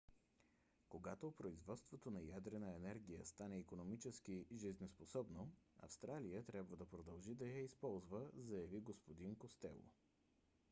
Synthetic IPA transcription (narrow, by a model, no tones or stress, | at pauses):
koɡat̪opɾoizvɔt̪st̪vot̪onɐjad̪ɾɛnəɛnɛɾɡʲijə̰st̪anɛikonomit͡ʃɛsk̟iʒiznɛsposɔbnoɐ̰fst̪ɾalijət̪ɾʲjabvəd̪ɐpɾod̪ɐlˠʒid̪ɐjaispɔlˠzvəzɐjɐviɡospod̪inkost̪ɛ̰lˠo̰